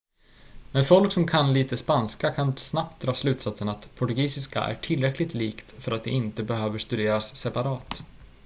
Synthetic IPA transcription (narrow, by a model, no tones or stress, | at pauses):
mɛnfɔlksɔmkʰanliːt̪əspanskakʰansnap̚t̪̚d̪ɾɑːslʉ̟ːt̪sat̪sənat̪pʰʊʈɵɡiːsɪska̰ʔæ̰ʈʰɪlɾɛklɪt̪liːkt̪fœɾat̪̚d̪ɛ̰ɪnt̪əbɛɦøːvəʂt̪ɵd̪eːɾasːɛpaɾɑːt̪